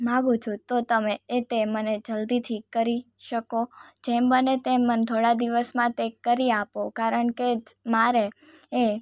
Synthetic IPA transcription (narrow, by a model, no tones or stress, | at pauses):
mãɡũt͡ʃʰũt̪ot̪əmeːt̪eməned͡ʒəld̪it̪ʰikəɾiʃəkod͡ʒɛmbənet̪emənt̪ʰoɽad̪iʋəsmãt̪ekəɾiapokaɾəɳked͡ʒmaɾe | e